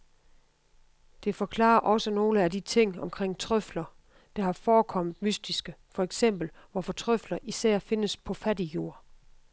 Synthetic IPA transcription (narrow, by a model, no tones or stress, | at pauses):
d̥e̝fɒ̽kʰlɑ̰̈ːɐʔɒ̽səno̝ːləædit͡sʰe̝ŋ̰ɒ̽mkʰʁeŋ̰t͡sʰʁœflɐ | d̥ɑ̈hɑ̈fɒːkʰɒ̽m̰d̥mysd̥isɡ̥əfɒ̽eɡ̥sem̰b̥l̩ʋɒfɒt͡sʰʁœflɐʔisæɐ̰fe̝nəspʰɒ̽fædijo̝ɐ̰